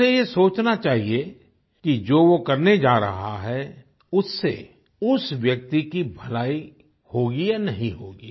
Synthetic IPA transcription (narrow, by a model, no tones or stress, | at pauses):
ejesoːt͡ʃnat͡ʃaːɦie | kid͡ʒoːʋokɐɾned͡ʒaːɾɐ̰ɦaɦɛ | ʊsːḛ | ʊsʋjɐk̚t̪ikibʱɐlaːi | hoːɡijanɐɦĩɦoːɡiː